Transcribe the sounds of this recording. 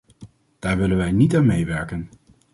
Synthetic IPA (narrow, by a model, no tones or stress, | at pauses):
d̥aːɹʋɪlənʋɛjnitaːnmejʋɛɹkən